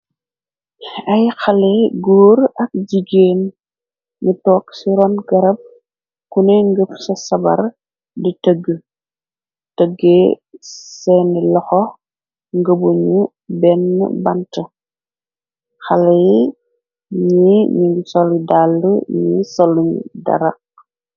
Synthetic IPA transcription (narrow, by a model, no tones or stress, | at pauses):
ɐjxɐlɛɡuːɾɐk̚d͡ʒiɡeːn | ɲutɔːksiɾɔnɡɐɾɐb̚ | kunɛŋɡəpsɐsɐbɐ̰ɾ | ditəɡːə | təɡe | sɛnilɔxɔ | ŋɡəbuɲu | bɛn̰ːbɐntə | xɐlɛ | ɲiɲiŋɡusɔlidalːuɲisɐluɲ̰dɐ̰ɾɐ̰q̚